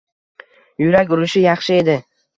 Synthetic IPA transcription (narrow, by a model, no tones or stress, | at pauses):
jʊɾakʲʊɾɪʃɪjɑχʃɪe̞d̪ɪ